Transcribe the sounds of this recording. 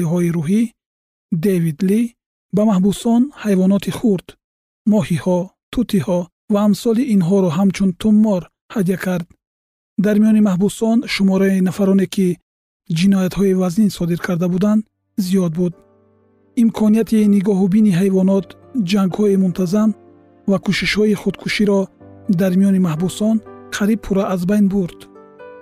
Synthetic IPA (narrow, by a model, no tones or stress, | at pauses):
iɦɔiɾuɦi | d̪evid̪li | bamahbusɔnhajvɔnɔt̪ʰiχuɾd̪ | mɔhihɔt̪ʰut̪ʰihɔ | vaːmsɔliʔinɦɔɾɔɦamt͡ʃʰunt̪ʰumːɔɾ | had̪ijakʰaɾd̪ | d̪aɾmijɔnimahbusɔnʃumɔɾainafaɾɔne̞kʰi | d͡ʒinɔjat̪hɔivazninsɔd̪iɾkʰaɾd̪abud̪and̪ | zijɔd̪̚bud̪ | imkʰɔnijat̪ʰiniɡɔɦubiniɦajvɔnɔt̪ | d͡ʒaŋɡhɔimunt̪ʰazam | vakʰuʃiʃhɔiχud̪kʰuʃiɾɔd̪aɾmijɔnimahbusɔnχʰaɾib̚pʰuɾaʔːzbajnbuɾd̪̥